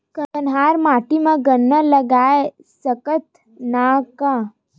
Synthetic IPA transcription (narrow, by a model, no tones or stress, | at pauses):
kəənɦaːɾmaːʈimãɡənːələɡaːe | səkət̪ | naka